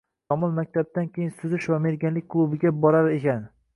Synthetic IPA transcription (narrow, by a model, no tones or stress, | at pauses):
t̪ɒmɒlmakʲt̪ʰab̚d̪ankʲʰejɪnsʊzɪʃvame̞ɾɡʲanlɪkʲkʰlˠubɪɡʲabɒɾaɾe̞kʲan